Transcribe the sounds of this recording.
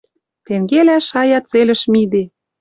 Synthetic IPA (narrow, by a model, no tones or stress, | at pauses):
t̪eŋɡelæʃɑjɑt͡selə̆ʃmid̪e